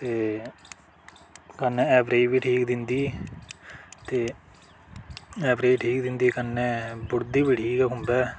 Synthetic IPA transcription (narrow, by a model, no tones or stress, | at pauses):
t̪eː | kənɛ̃ːɛːpɾeːiːbiːʈʰiːkd̪ɪnd̪iː | t̪eː | ɛːpɾeːiːʈʰiːkd̪ɪnd̪iːkənːɛ̃ːbʊɽd̪iːbiːʈʰiːkɛːkʊmbɛː